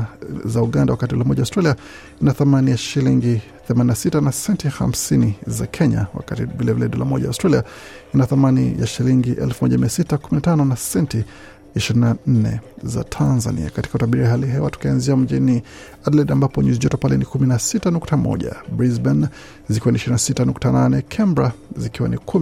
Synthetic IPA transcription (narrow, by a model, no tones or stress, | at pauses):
zauɠandawakatiɗɔlamɔʄaustɾalia | inaθamanijaʃiliŋɡi | θɛmaninasitanasɛntiha̰m̩siniza̰kʰɛɲa̰wa̰kativilɛvilɛɗɔla̰mɔʄa̰stɾaliainaθamanḭja̰ʃiliŋɡiʔɛ̰lfumɔʄamiasitakuminatanɔnasɛnti | iʃiɾinan̩nɛ̰za̰tʰanza̰nḭa̰kati̥kautaɓiɾiaɦaliɦɛwatu̥kianziam̩ʄini | adlɛɗambapɔɲuziʄɔtɔpalɛnikuminasitanuktamɔ̰ʄa̰bɾizban | zikiwaniʃiɾinasitanuktananɛkʰɛmbɾazikiwa̰nikʰu